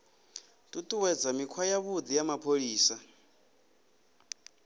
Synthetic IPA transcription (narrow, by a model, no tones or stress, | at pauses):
tʼutʼuwɛd͡zamikʰwajaβud̪ijamapʰoɺiːsa